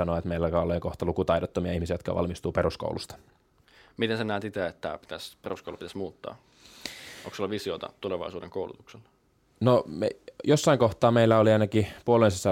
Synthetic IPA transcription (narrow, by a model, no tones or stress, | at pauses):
ɑnoet̪meilːækɑoleːkoht̪ɑlukut̪ɑjdot̪ːomiɑihmisiæjot̪̚kɑ̰ʋɑ̰lmist̪uːpeɾusko̰ulust̪ɑ̥ | mit̪ensenæːt̪it̪eet̪ːæ̰pi̥t̪æsperusko̰ulupit̪æsmuːt̪ːɑ̰ː | o̰ŋksolːɑʋisiot̪ɑ̰t̪uleʋɑ̰isuːdeŋkoulṵt̪ukselː | nomḛjosːɑiŋkoht̪ɑːmeilːæoliɑjnɑkipuolensisːɑ